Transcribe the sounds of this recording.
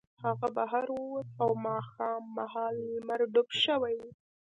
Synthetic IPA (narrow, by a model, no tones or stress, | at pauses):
haɣabaɦaɾwuwt̪awmɑxɑmːahɑlimaɾɖʊpʃəwaj